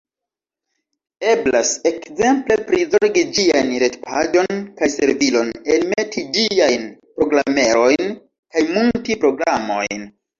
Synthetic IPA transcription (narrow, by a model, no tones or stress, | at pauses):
e̞blase̞kze̞mple̞pɾizoɾɡid͡ʒiajnɾe̞tpʰa̰d͡ʒo̞nkajse̞ɾvilo̞nelme̞tid͡ʒiajnpɾo̞ɡɾame̞ɾo̞jn | kajmultipɾo̞ɡɾamo̞̰jn